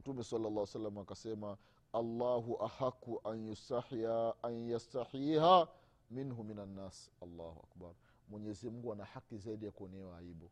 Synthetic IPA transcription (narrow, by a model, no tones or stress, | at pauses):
m̩tumɛsalːalːaːwɛsalːamaːkasɛma | alːaːɦuʔahakːuʔanjustaanjastaħiːɦa | minɦuminanːaːsalːa̰ːhuʔa̰kbaɾ | mwɛɲɛzimuɡuanahakizaiɗijakuɔnɛwaaiɓɔ